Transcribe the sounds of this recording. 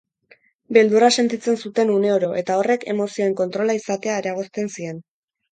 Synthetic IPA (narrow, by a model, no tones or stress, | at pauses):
be̞ld̪urase̞nt̪it͡se̞nsut̪e̞nune̞oɾo̞ʔe̞t̪ao̞re̞ke̞̰mo̞sio̞e̞ŋko̞nt̪ɾo̞laisat̪e̞aeɾaɣ̞o̞st̪e̞nsie̞n